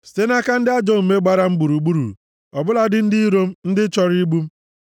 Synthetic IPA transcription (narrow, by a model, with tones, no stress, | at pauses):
ste˦na˦ka˦n̩˦dɪ˦a˦d͡ʒɔ˦˨u˨me˦ɡ͡ba˦ɾa˦m̩˦ɡ͡bu˨ɾu˨ɡ͡bu˦ɾṵ˨ | ɔ˨bʊ˦la˦dɪ˦n̩˦dɪ˦i˦ɾo˦m̩˦n̩˦dɪ˦t͡ʃɔ˦ɾi˦ɡ͡bu˦m̩˦